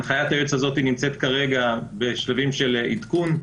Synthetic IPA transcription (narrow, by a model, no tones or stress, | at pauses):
χajat̪ajot͡sazo̞t̪inimt͡se̞t̪kaʁe̞ɡabe̞ʃlavimʃelit̪kun